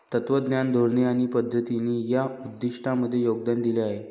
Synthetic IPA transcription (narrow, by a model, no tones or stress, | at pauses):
t̪ət̪ʋəd̪njand̪ʱoɾɳiaɽ̃ipəd̪ʱːət̪iniːjaud̪ːiʂʈaməd̪ʱːjejoɡd̪and̪ileaɦe